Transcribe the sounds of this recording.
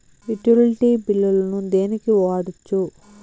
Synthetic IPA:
iʈːulʈibilːɐlɐnud̪e̞ːnikiʋaːɽut͡ʃːu

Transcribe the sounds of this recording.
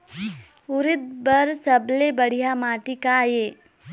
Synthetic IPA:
ʊɾɪt̪̚bɐɾsəblebəɽ̤ijamaːʈikajeː

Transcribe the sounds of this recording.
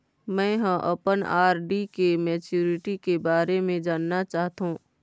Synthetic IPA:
mɛ̃ːɦə̃ʔɐ̰pənaːɾɖikemɛːt͡ʃjuːɾɪʈikebaːɾemẽd͡ʒaːnːat͡ʃaːɦt̪ũː

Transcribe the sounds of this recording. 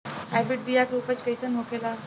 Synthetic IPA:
hajbiʈ̚bʱijakɾupət͡ɕkəjsənɦokela

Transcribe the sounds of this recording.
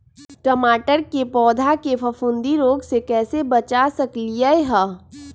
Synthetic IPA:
ʈəmaːʈəɾkepɔːd̪ʱakepʰɐfʰʊ̃nd̪iɾoːɡsekɛːsebət͡ʃasəkliaeɦaː

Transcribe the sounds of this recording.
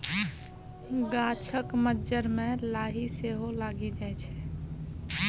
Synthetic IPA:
ɡaːt͡ʃʰəkməd͡ʒəɾmẽlaːɦiseɦolaːɡid͡ʒaɛt͡ʃʰɛ̥

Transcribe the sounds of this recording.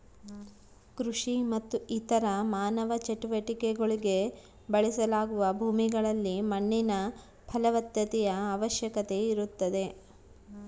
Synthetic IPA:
kɾuʂimɐt̪ːuit̪ɐɾɐmaːnɐʋɐt͡ʃeʈuʋɐʈikeɡoɭiɡe̞ | bɐɭisɐlaːɡuʋɐbʱuːmiɡɐɭɐlːimɐɳːinɐ | pʰɐlɐʋɐt̪jɐt̪ɛjɐaːʋɐʃjɐkɐt̪e̞iɾut̪ːɐd̪e̞

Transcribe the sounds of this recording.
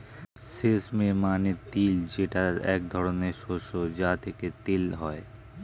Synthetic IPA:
sesmemanet̪ild͡ʑeʈaɾɛ̰k̚d̪ʱɔɾoneɾʃoʃod͡ʑat̪ʰeket̪ilɦɔe

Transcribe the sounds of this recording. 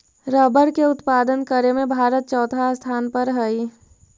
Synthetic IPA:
ɾəbəɽkeʊt̪paːd̪ənkəɾemẽbʱaːɾət̪̚t͡ʃɔːt̪ast̪ʰaːnpəɾɦəi

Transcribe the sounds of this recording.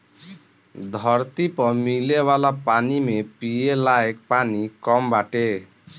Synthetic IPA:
d̪ʱɔɾt̪ipɔɾmilewalapanimepielaek̚panikɔmbaʈe

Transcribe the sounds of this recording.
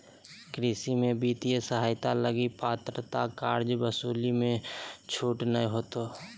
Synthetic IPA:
kɾɪsimẽbiːt̪ijəsəɦaːɪt̪aləɡipaːt̪ɾət̪akaːɾd͡ʒbəsuːlimẽt͡ʃʰuːʈnə̃ɦoːt̪o

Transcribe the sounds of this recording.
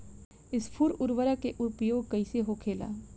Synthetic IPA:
ɪspʰʊɾʊɾʋəɾakeʔʊɾpjoːɡ̚kɐiseɦokʰeːla̰ː

